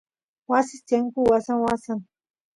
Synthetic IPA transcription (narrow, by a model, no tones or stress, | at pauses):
wasɪst̪aŋkuwasaŋwasaŋ